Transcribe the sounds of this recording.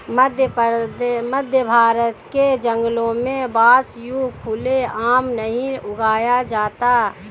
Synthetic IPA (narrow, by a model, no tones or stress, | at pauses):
məd̪ʱjəpdməd̪ʱjəbʱaːɾət̪ked͡ʒə̃ŋɡlõmẽbaːsjukʰʊleaːmnəɦĩʊɡaːjad͡ʒaːt̪a